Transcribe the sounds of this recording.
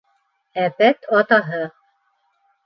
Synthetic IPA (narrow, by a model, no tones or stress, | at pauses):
æpæt̪ʰɑt̪ɑɦɤ